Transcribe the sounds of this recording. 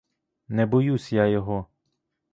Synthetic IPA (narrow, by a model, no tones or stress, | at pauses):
nɛbɔjusʲjajɔɦɔ